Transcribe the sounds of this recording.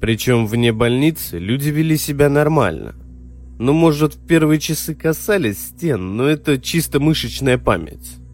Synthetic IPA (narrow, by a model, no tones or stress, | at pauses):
pɾʲɪt͡ɕo̞mvnʲebɐlʲnʲit̪sɨlʲudʲɪvʲɪlʲisʲɪbʲanɐrma̰lʲnə̰ | no̞mo̞ʐɨt̪fʲpʲe̞rvɨjət͡ɕɪsɨkɐsalʲɪsʲsʲtʲe̞nːoɛt̪ət͡ɕist̪əmɨʂɨt͡ɕnəjəpa̰mʲɪ̰tʲ